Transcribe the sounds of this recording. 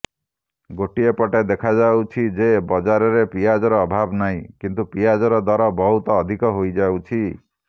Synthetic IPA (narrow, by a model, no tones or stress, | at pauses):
ɡoʈiepɔʈed̪ekʰad͡ʒawt͡ʃʰid͡ʒebɔd͡ʒaɾɔɾepijad͡ʒɔɾɔːbʱabnaɦĩkint̪upijad͡ʒɔɾɔd̪waɾɔbɔɦut̪ɔːd̪ʱikɔɦojd͡ʒawt͡ʃʰi